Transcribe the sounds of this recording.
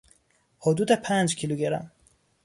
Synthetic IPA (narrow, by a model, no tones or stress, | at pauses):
hod̪uːd̪epʰænd͡ʒcʰiluɟeɾæ̰m